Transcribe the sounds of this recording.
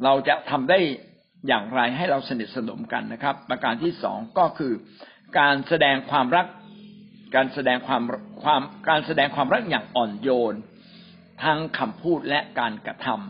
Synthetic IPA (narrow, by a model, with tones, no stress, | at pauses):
ɾa˧wt͡ɕa˨˩t̪ʰa˧mdaː˥˩j | jaː˨˩ŋɾa˧jɦa˥˩jɾa˧wsa˧ni˨˩t̪̚sa˧no̰˩˦mka̰˧nːa˦˥kʰɾa˦˥pːɾa˧kaː˧nt̪ʰiː˥˩sɔ̰ː˩˦ŋkɔː˥˩kʰɯː˧ | kaː˧nsa˧dɛː˧ŋkʰwaː˧mɾa˦˥k̚ | kaː˧nsa˧dɛː˧ŋkʰwaː˧mkʰwaː˧mkaː˧nsa˧dɛː˧ŋkʰwaː˧mɾa˦˥k̚jaː˨˩ŋʔɔː˨˩njoː˧n | t̪ʰa˦˥ŋkʰa˧mpʰuː˥˩t̪̚lɛ˦˥ʔkaː˧nkɾa˧t̪ʰa˧m